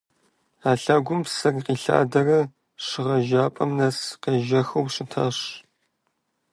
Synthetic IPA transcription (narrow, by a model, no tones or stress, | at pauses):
aːɬaːɡʷʊmpsɐriqiːɬa̰ːdɐrɐ | ɕɪʁɐʒaːpʼɐmnɐsqeːʒɐxɐwɕɪtʰa̰ɕ